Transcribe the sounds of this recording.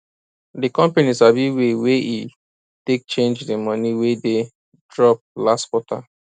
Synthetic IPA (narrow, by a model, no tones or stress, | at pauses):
dikɔ̃mpenisabiwewei | tek̚t͡ʃẽnd͡ʒdimɔ̃niwede | dɹɔp̚lastkwɔta̰